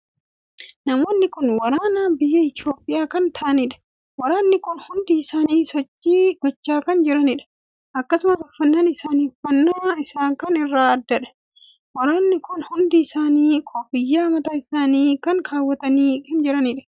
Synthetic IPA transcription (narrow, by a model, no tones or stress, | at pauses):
nɐmo̞ːnːɪkʊnwɐɾaːnaːbɪjːɐɪt̪ɪo̞ːpʼːɪjaːkɐnt̪ʰɐːʔɐnɪᶑɐ̥ | wɐɾaːnːɪkʊnhʊnd̪ɪːsaːniːsɔt͡ʃːiːɡɔt͡ʃːaːkɐnd͡ʒɪɾɐnɪᶑɐ̥ | ɐkːɐsʊmɐsɔfːɐnːaːnɪsaːniɔfɐnːaːɪsaːŋkɐnɪrːaːɐd̪ːɐᶑɐ̥ | wɐɾaːnːɪkʊnhʊnd̪ɪːsaːniːkʰofɪjːaːmɐt̪aːɪsaːniːkɐŋkʰaːwːɐt̪ɐniːkɐnd͡ʒɪɾɐnɪᶑɐ̥